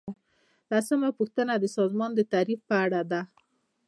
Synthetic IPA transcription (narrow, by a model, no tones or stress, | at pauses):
lasəmapuxt̪ənad̪əsɑzmɑnd̪ət̪aɾifpəaɽad̪a